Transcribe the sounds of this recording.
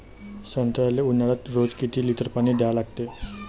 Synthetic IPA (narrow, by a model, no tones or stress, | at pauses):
sənt̪ɾaleunaɭat̪ɾod͡zkit̪iːlit̪əɾpañiːd̪ealaɡ̚t̪e